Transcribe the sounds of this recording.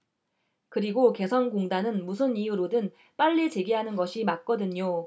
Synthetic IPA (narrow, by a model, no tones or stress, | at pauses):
kɯɾiɡoke̞sʰʌnɡoŋdanɯnmusʰɯnijuɾodɯn | p͈aʎːit͡ɕe̞ɡiɦanɯnɡʌɕʰimak̚k͈ʌdɯɲo